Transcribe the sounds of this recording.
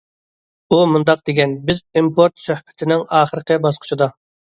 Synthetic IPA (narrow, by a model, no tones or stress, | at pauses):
umund̪ɑq̚d̪̥eɡʲɛnbɪzimpoɾt̪søhbɪ̥t̪ʰɪnɪŋɑːχəɾəqəbɑsqʰʊ̥t͡ʃʰid̪ɑ